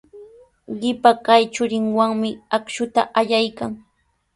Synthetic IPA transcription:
ɢɪpakajt͡ʃʊɾɪŋwaŋmɪakʃʊt̪aʔaʎajkaŋ

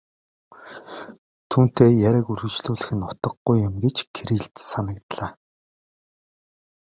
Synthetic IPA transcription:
t̪ʰuːn̥t̪eːjæɾʲăkuɾɣɘ̆t͡ɕɮuːɮɘ̆xɘ̆nʊt̪ə̆ɢujɪmɡet͡ɕkʰeɾiːɮt̪sanə̆kt̪ɮaː

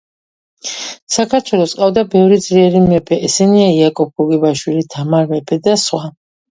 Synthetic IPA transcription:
sakʰaɾt̪ʰwɛlˠɔsʼqʼavd̪abɛvɾid̪zliɛɾimɛpʰɛʔɛsɛniaiakʼɔp̚ɡɔɡibaʃwilit̪ʰamaɾmɛpʰɛd̪asχwa

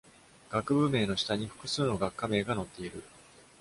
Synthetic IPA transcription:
ɡ̥akɯ̟bɯ̟me̞ːno̞ɕi̥t̪aɲ̟iɸɯ̟̥kɯ̟sɨːno̞ɡakːame̞ːɡano̞t̪ːe̞iɾɯ̟

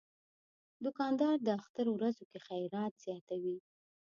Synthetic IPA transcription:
d̪ʊkɑnd̪ɑɾd̪əaxt̪əɾowɾazokexajɾɑt̪z̥jɑt̪awi

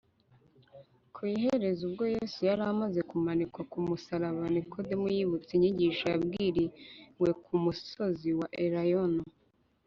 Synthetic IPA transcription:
kʰuiɦe̞ɾe̞zubɡo̞josijaɾamaze̞kumanikwakumusaɾaβanikʰodemujiβut͡siɲiɟiːʃajabɡiːɾiwe̞kʰumuso̞ziwaʔeɾajono

